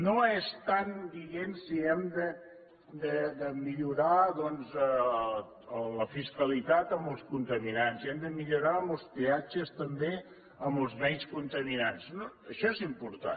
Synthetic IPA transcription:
noest̪and̪iɣensiɛmd̪ə | d̪əd̪əmiʎuɾaðɔnzə | ələfiskəlit̪at̪əmbəlˠskunt̪əminansiɛmd̪əmiʎuɾaəməlˠspead͡ʒəst̪əmbe | əməlˠzmɛjskunt̪əminansnoəʃɔezimpuɾt̪a̰n

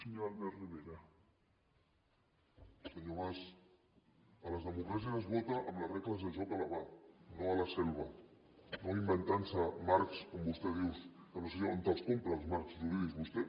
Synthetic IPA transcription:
seɲoalðeriβeɾa | seɲoβas | əlazðəmukɾas̬jaazβɔt̪aʔɐmlareklazðeʒɔkalaβanoalasɛlβa | noimbent̪ansamaɾkskombust̪eðiwsanoseɲont̪askompɾalzmaɾkst̪uðiɣizβust̪e

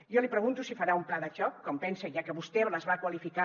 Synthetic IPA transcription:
jɔlipɾəɣ̞unt̪usifaɾaumplaðəʃɔkːɔmpɛnsəʒakəβust̪ɛləzβakwalifika

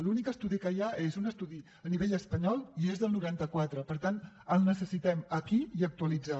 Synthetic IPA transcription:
lunikəst̪uðikəjaezunəst̪uði | əniβeʎəspəɲɔlˠiezðəlˠnuɾant̪əkwat̪ɾəpəɾt̪an | əlˠnəsəsit̪ɛməkiiək̚t̪uəlid͡za

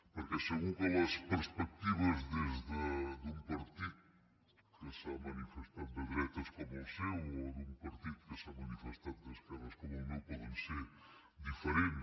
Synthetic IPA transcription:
poɾkesɨɣũkõlɐspɨɾspek̚t̪iβɐzðɐzðɐðũmpaɾt̪iðu | kɨsɐ̃mɐnifeʃt̪ɐ̃nd̪uðiɾɛt̪ɐʃkomuːsewoðũpɐɾt̪iðukɨsɐ̃mɐnifeʃt̪ãnðɐʃkɾɛmɐʃkomunɐ̃w̃pɔðẽseɾ | d̪ifeɾẽnt̪

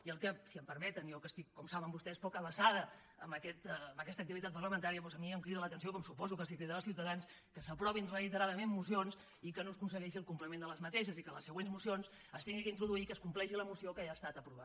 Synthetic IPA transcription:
iəlˠkəsiəmpəɾmɛt̪ənjɔkəst̪ikːɔmsaβəmbust̪ɛspɔkəβəsaðə | əmbəkɛt̪əːmbəkɛst̪ək̚t̪iβit̪at̪pərləmənt̪aɾiəpɔzəmiəmkɾiðələt̪ənsiokɔmsupɔzukəsikɾiðəlˠsiwt̪əðans | kəsəpɾɔβinrəit̪əɾaðəmemmusions | ikənoskunsəɣɛʃiəlˠkumplimẽnd̪ələzmət̪ɛʃ̬əzikələsːəɣwenzmusions | əst̪iŋɡikəint̪ɾuðuikəskumplɛʃiləmusiokajast̪at̪əpɾuβa

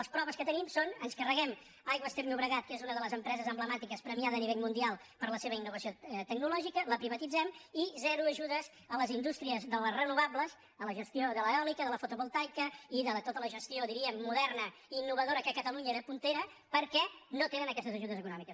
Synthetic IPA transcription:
əspɾɔβəskət̪ənimsonənskərəɣɛm | ajɣwəst̪ɛpnuβɾəɣat̪̚kezunəðələzəmpɾɛzəzəmbləmat̪ikəspɾəmiaðːniβ̞eʎmund̪ialˠ | pəɾləseβəinːuβəsiot̪əɡ̚nulɔʒikələpɾiβət̪id͡zɛmizɛɾuəʒuðəz | ələzind̪ust̪ɾiəzðələrənuβabləz | ələʒəst̪ioðələɔlikəðələfut̪uβulˠt̪ajkəiðət̪ot̪ələʒəst̪ioðiɾiəmːuðɛrnə | inːuβ̞əðoɾəkəkət̪əluɲəðəpunt̪eɾə | pəɾkɛnot̪enənəkɛst̪əzəʒuð̞əzəkunɔmikəs

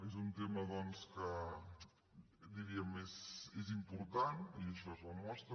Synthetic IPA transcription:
ezunt̪emɐðɔnskə | d̪iɾiəmezezimpuɾt̪aniəʃɔzəmɔst̪ɾə

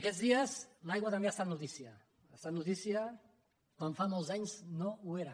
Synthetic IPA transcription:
akezðiazlajɣwat̪ambeast̪at̪nut̪isja | ast̪at̪nut̪isja | kwanfamolzaɲznoueɾa

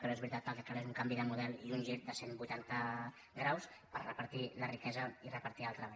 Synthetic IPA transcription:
kənoezβɾit̪at̪kəlˠkəkaɾezuŋkambiðəmuðɛlˠiunʲʒiɾ̚d̪əsembujt̪ant̪ə | ɡɾaws | pə̰ɾrəpəɾt̪ilərikɛzəirəpəɾt̪ialˠt̪ɾəβa

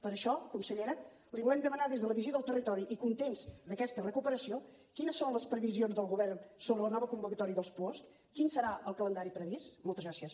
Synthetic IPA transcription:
pəɾəʃɔkunsəʎeɾə | liβulɛmd̪əmənaðezðələβizioðəlˠt̪ərit̪ɔɾiʔikunt̪emzd̪əkɛst̪ərəkupəɾəsio | kinəsːonləspɾəβizionzðəlˠɣuβɛrnsoβɾələnɔβəkumbukət̪ɔɾiəðəlˠspɔst | kinsəɾaʔəlˠkələnd̪aɾipɾəβist̪mɔlˠt̪əzɣɾasiəs

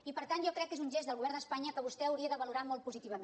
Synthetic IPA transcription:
ipəɾt̪anʒɔkɾɛkːezunʲʒezd̪əlˠɣuβɛɾnd̪əspaɲəkəβ̞ust̪ɛəwɾiəðəβəluɾamɔlˠt̪̚puzit̪iβəm

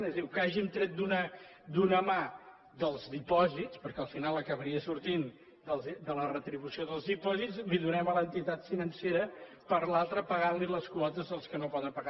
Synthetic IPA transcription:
ɛzðiwkaʒimt̪ɾɛt̪̚d̪unə | d̪unəma | ðəlˠzðipɔzitspəɾkɛəlˠfinalˠəkəβəɾiəsuɾt̪in | d̪əlˠzd̪ələrət̪ɾiβusioðəlˠzðipɔzitsliðunɛmələnt̪it̪at̪finənseɾə | pəɾlalˠt̪ɾəpəɣanliləskwɔt̪əzðəlˠskənopɔðəmpəɣa

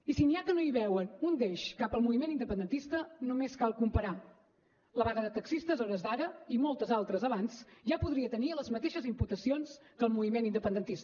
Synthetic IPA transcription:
isiniakənoiβɛwənund̪eʃkapəlˠmuβimenind̪əpənd̪ənt̪ist̪ənomeskalˠkumpəɾa | ləβaɣəðət̪əksist̪əzɔɾəzd̪aɾəimolˠt̪əzalˠt̪ɾəzəβanzʒapuðɾiət̪əniələzmət̪eʃəzimput̪əsionskəlˠmuβimenind̪əpənd̪ənt̪ist̪ə

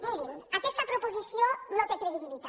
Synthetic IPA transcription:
miɾinakest̪apɾopozisjonot̪ekɾeðiβilit̪a

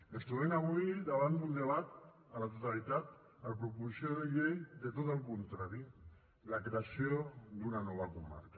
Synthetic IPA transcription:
est̪uðenaɣuiðaβand̪und̪eβ̞at̪ | alat̪ot̪alit̪at̪ | aɾpɾupusioɾeʝejðe̞t̪̬ot̪aŋkont̪ɾaɾi | lakɾe̞asiod̪unanoβ̞akuma̰ɾka

